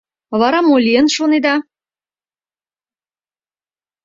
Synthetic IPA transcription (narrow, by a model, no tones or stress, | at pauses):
βɑɾɑmolʲiənʃoned̪ɑ